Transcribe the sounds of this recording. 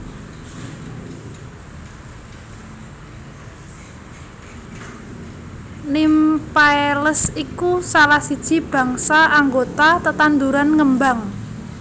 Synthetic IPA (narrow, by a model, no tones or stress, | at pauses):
nimpaeləsikusalahsid̥ʒ̥i̤b̥ä̤ŋsaʔaŋɡot̪at̪ət̪and̪uɾanŋəmbaŋ